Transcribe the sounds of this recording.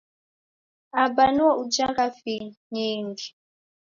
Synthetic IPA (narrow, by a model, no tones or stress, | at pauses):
abanuaud͡ʒakafiɲiːŋɡi